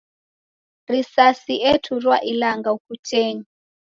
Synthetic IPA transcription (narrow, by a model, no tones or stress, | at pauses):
risasiʔɛtʰurwaʔilaŋɡaukut͡ʃʰɛːɲi